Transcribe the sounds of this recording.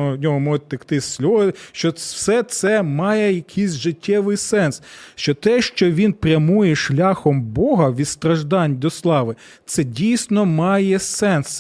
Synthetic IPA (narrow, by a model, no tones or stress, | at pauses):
ɔnʲɔɦɔmɔtʲt̪ɐkt̪ɪsʲlʲɔʃt͡ʃɔwsɛt̪sɛmɑjɛjɐkʰɪjsʲʒɪtʲːɛʋɪjsɛnsʃt͡ʃɔt̪ɛʃt͡ʃɔʋʲinpɾʲɐmujɛʃlʲɑxɔmbɔɦɐʋʲid̪st̪ɾɐʒd̪ɑnʲd̪ɔslˠɑʋɪ | t̪sɛdʲijsʲnɔmɑjɛsɛns